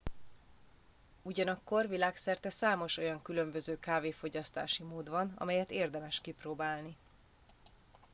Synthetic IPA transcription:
uɟɒnɒkːo̞rvilaːksɛrt̪ɛsaːmo̞ʃo̞jɒŋkylø̞mbø̞zøːkaːveːfo̞ɟɒst̪a̰ːʃimoːd̪vɒnɒ̰mɛjɛt̪eːrd̪ɛmɛʃkiproːbaːlni

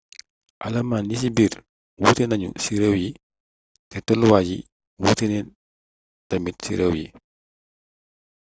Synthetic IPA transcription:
ʔɐ̰lɐmaːnːis̬ibiːɾ | wutɛnɐɲṵsiɾəwji | tɛtɔluwaɟi | wutɛnɛn | tɐmitsiɾəwjḭ

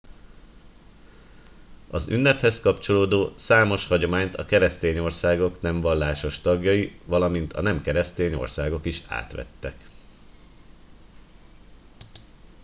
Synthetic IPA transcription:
ɒzy̰nːɛphɛskɒpt͡ʃo̞loːd̪oːsaːmo̞ʃhɒɟo̞maːɲt̪ʰɒkɛɾɛst̪eːɲo̞rsaːɡo̞knɛɱvɒlːaːʃo̞ʃt̪ɒɡjɒjivɒlɒmint̪ʰɒ̰nɛmkɛɾɛst̪eːɲo̞̰rsaːɡo̞kiʃa̰ːt̪ʋɛ̰t̪ːɛk

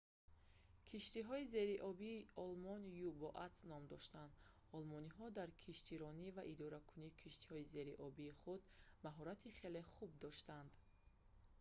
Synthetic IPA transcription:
kʰiʃt̪iɦɔize̞ɾiʔɔbiːɔlmɔnjubɔʔat̪snɔmd̪ɔʃt̪and̪ | ɔlmɔniɦɔd̪aɾkʰiʃt̪ʰiɾɔnivaʔid̪ɔɾakʰunikʰiʃt̪i̥hɔize̞ɾiʔɔbiːχud̪maɦɔɾat̪ʰiχe̞leχub̚d̪ɔʃt̪and̪

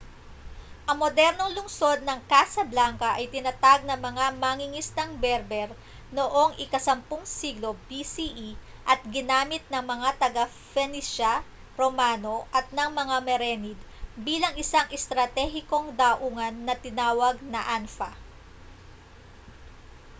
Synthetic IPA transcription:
ʔɐŋmod̪ɛɾno̞ŋlʊŋso̞d̪̚nɐŋkaːsɐblaŋkɐʔɐjt̪ɪnɐt̪aɡ̚nɐŋmɐŋamaːŋɪŋɪst̪ɐŋbɛɾbɛɾ | no̞ʔoŋɪkɐsɐmpʊŋsiːɡlo̞bisiʔiʔɐt̪̚ɡɪnaːmɪt̪̚nɐŋmɐŋat̪ɐɡa | fɛniʃɐ | ɾomaːno̞ʔɐt̪̚nɐŋmɐŋamɛɾɛnid̪ | biːlɐŋɪsaŋʔɛst̪ɾɐt̪ɛɦɪko̞ŋd̪ɐʔuːŋɐnːɐt̪ɪnaːwɐɡ̚nɐʔanfɐ

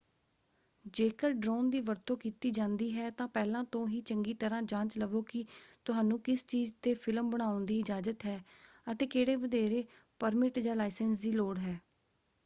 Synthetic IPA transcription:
d͡ʒeːkəɾɖɾoːnd̪iːʋəɾt̪õːkiːt̪iːd͡ʒãːnd̪iːɦɛːt̪ãːpɛːlãːt̪õːɦiːt͡ʃəŋɡiːt̪əɾãːd͡ʒãːt͡ʃləʋoːkɪt̪ʊɦaːnũːkɪst͡ʃiːzt̪eːpʰɪlmbəɽ̃aːʊnd̪iːɪd͡ʒaːd͡ʒət̪ɦɛːət̪eːkeːɽeːʋəd̪eːɾeː | pəɾmɪʈd͡ʒaːlaːɪsənsd̪iːloːɽɦɛː

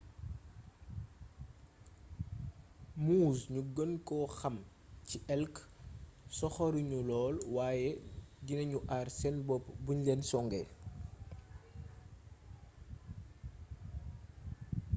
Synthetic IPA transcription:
muːsɲuɡənkɔxɐm | ciʔɛlk | sɔxɔɾiɲulɔːlwaːjɛdinɐɲuʔarsɛnbɔpːbuɲlɛnsɔŋɡɛ

